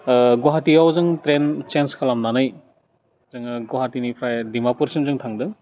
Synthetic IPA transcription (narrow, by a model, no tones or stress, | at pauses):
ɡoɦatiawzɯŋtɾent͡ʃenskʰalamnanɯj | zɯŋɡoɦatinipʰɾajdimapuɾsimzɯŋtʰaŋdɯŋ